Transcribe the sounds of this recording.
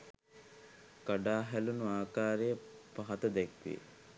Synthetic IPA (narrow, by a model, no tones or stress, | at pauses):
kaɖaːɦælunuaːkaːɾejəpaɦɐt̪əd̪ɛkʋḛ